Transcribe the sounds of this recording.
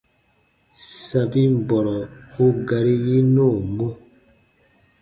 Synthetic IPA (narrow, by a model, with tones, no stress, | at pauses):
sa˨bi˦m˨bɔ˨ɾɔ˨o˦ɡa˨ɾi˦ji˦no˦˨mo˦